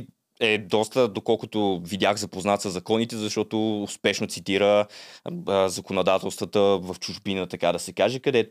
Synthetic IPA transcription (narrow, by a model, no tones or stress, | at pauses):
ɛd̪ɔst̪əd̪okɔlˠkʊt̪ovid̪ʲjaxzɐpoznat̪səzɐkɔnit̪ɛzɐʃt̪ɔt̪oːspɛʃnot̪sit̪iɾə | zɐkonod̪at̪ɛlˠst̪vət̪əvɐft͡ʃʊʒbinət̪ɐkad̪ɐsɛkaʒɛkɐd̪ɛt̪